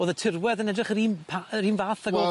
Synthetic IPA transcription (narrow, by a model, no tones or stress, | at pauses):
oːðətʰɪrwɛðənɛdrɪχəɾiːnpʰaəɾiːnvaːθaɡɔ